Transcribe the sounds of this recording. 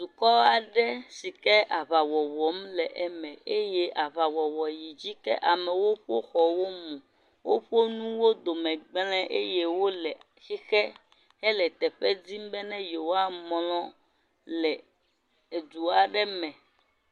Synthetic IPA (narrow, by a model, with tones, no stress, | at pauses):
d̪u˨kɔ˦a˨ɖɛ˦si˨kɛ˦ʔa˨βa˨wɔ˨wɔ˨mlɛ˨ʔɛ˨mɛ̃˨e˦jɛ˦ʔa˨βa˨wɔ˨wɔ˨ji˨d͡ʑi˦kɛ̰˦ʔa˨mɛ̃˨wo˦ɸo˦xɔ˨wo˦mũ˨ | wo˦ɸo˦nũ˦wo˦d̪o˨mɛ̃˨ɡ͡blɛ̃˦ʔe˦je˦wo˦lɛ˨ | si˦xɛ˦ | ɦɛ˦lɛ˨t̪ɛ˨ɸɛ˦di˦m˦bɛ˦nɛ̃˦jo˨wa˦mmlɔ̃˦ | lɛ˨ | e˨d̪u˨a˨ɖɛ˦mɛ̃˨